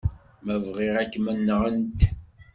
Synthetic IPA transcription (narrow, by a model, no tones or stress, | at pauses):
mævʁiʁækːmənːəʁənt̪